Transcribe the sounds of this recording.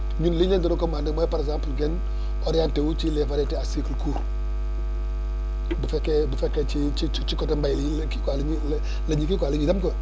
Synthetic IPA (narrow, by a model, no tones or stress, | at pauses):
ɲunliɲandiɾokomandɪmɔpaɾɛzãmpəlɡɛn | ɔɾjantewut͡ʃilɛfaɾɛtɛasikəlkʰuɾ | bufɛkɛbufɛkːɛt͡ʃit͡ʃt͡ʃt͡ʃikɔtambajllki̥kʷalɲil | laɲikikaliɲidamkɔ